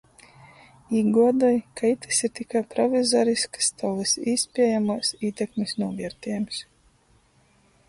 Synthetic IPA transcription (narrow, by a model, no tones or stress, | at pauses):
iːɡuɔd̪ɔjkajt̪ɨ̥siɾt̪ʲikajpɾɔvʲizɔɾiskɐ̥st̪awlɨsiːspʲiɛjamuːsiːt̪ʲɛkmʲesnuɔvʲiɛɾt̪ʲiːms